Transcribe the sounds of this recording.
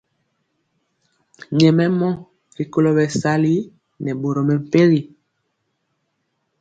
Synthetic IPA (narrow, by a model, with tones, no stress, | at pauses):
ɲɛ˨mɛ˦mɔ˦ | ɾi˨ko˦lo˨bɛ˨sa˦li˦ | nɛ˨bo˨ɾo˨mɛ˨m̩˨pe˦ɣi˨